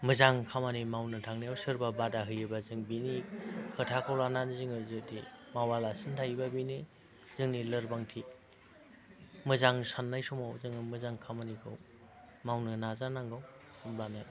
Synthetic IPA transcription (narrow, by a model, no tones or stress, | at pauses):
mɯzaŋkʰamanimawnɯtʰaŋnijawsɯɾbabadaɦɯjɯbazɯŋbinikʰɯtʰakʰawlananzɯŋɯzdimawalasɯntʰajbabini | z̥ɯŋnilɯɾbaŋtʰi | mɯzaŋsanːajsumawzɯŋɯmɯzaŋkʰamanikʰɯ̰w | mawnɯnazanaŋɡaw | lana